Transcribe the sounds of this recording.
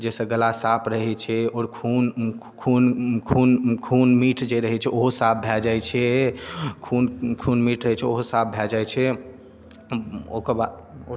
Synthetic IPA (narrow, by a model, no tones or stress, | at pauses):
d͡ʒesə̃ɡəlasapɾəɦɛt͡ʃʰɛɔɾkʰunkʰunkʰunkʰunmiʈʰd͡ʒeɾəɦɛt͡ʃʰɛoɦosap̚bʱɛld͡ʒajt͡ʃʰɛ | kʰunkʰunmiʈʰɾəɦɛt͡ʃʰɛoɦosap̚bʱɛld͡ʒajt͡ʃʰɛ | o̰kəɾba